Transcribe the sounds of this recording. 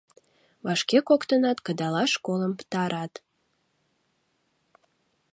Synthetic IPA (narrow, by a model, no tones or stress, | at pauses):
βɑʃkekokt̪ənɑt̪kəd̪ɑlɑʃkoləmpt̪ɑɾɑt̪